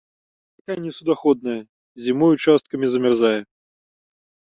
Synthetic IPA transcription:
p̪akajnʲɪsud̪axɔd̪nɐjɐ | zʲimɔjut͡ʃast̪̚kɐmʲizɐmʲɪrzajɛ

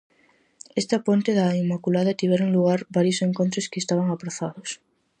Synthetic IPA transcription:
est̪apont̪eðaimːakulaðɐt̪iβjeɾoŋluɣ̞aɾbaɾjoseŋkont̪ɾoskeːst̪aβ̞aŋapɾaθaðos

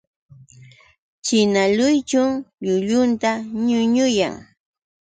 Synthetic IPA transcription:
t͡ʃɪnalʊjt͡ʃʊŋʎʊʎʊnt̪aɲʊɲʊja̰ŋ

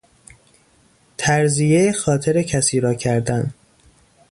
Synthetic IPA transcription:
t̪ʰæɾzijeexɒːt̪ʰeɾecʰæsiːɾɒːcʰæɾd̪æn

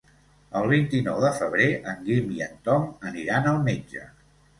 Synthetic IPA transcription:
əlˠβ̞int̪inɔwðəfəβ̞ɾeʔəŋɡimiənt̪ɔməniɾanəlˠmed͡ʒə̰

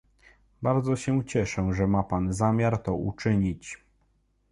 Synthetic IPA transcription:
baɾd̪zɔɕɛt͡ɕɛʂɛʐɛmapanzamʲjaɾt̪ɔṵt͡ʂɘɲit͡ɕ

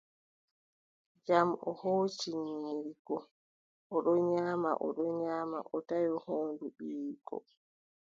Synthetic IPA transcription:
d͡ʒamɔ̰hoːt͡ʃiɲiɾiɡɔ | ɔɗɔɲaːma̰ʔɔ̰ɗɔɲaːmaʔɔtajɔhoːnduɓiːkɔ̰

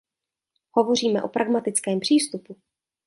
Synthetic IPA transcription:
ho̞vo̞r̝iːmɛʔo̞̰pɾʔaɡmat̪ɪt͡skɛːmpr̝̥iːst̪upu

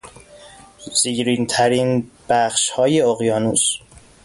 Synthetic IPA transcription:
z̥iɟɾiːnt̪ʰæɾinb̥æχʃhɒːjeoɣjɒːnus

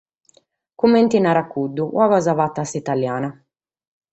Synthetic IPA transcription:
kumːɛnt̪inaɾakːud̪ːuwavazavat̪ːasit̪aljaːna

